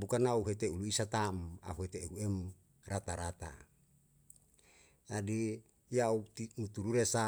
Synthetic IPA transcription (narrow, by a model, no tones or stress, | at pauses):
bukanauɦet̪euluisat̪ama̰ɦuɦet̪euɛm | rat̪aɾat̪a̰ | adi | jaut̪init̪uɾuɾesa